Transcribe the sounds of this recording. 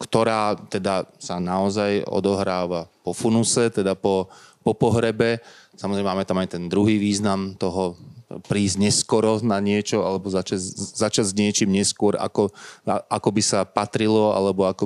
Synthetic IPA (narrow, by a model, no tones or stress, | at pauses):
kt̪ɔɾaːt̪ɛd̪asanaɔzajɔ̰d̪ɔɦɾaːʋapɔfunusɛt̪ɛd̪apɔpɔpɔɦɾɛbɛsamɔzɾɛmɛmaːmɛt̪amajt̪ɛnd̪ɾuɦiːʋiːznamt̪ɔɦɔpɾiːzɲɛskɔɾɔnaɲɪɛt͡ʃɔalɛbɔzat͡ʃazat͡ʃad͡zzɲɪɛt͡ʃiːmɲɛskʊɔɾa̰kɔaakɔbisapat̪ɾilɔa̰lɛbɔakɔ